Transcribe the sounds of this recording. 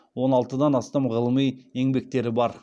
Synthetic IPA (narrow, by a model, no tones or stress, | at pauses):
wo̞nɑlˠt̪əd̪ɑnɑst̪ɑmʁəlˠəmije̞ŋbe̞k̚t̪e̞ɾɪbɑɾ